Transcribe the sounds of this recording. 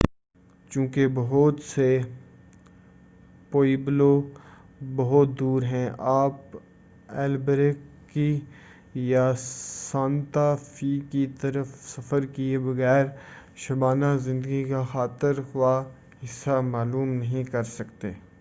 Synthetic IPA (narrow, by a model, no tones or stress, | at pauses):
t͡ʃũːkebɐɦʊt̪se | poːiblo | bɐɦʊt̪̚d̪uːɾɦɛ̃ʔaːp | ɛːlbɾekː | i | jasãːnt̪afikit̪ɐɾəfsɐfəɾkiebɐɣɛːɾ | ʃɐbaːnazɪ̃nd̪əɡikaxaːt̪ɪɾɦʊa | ɦɪsːamaːluːmnɐɦĩkɐɾsɐkt̪eː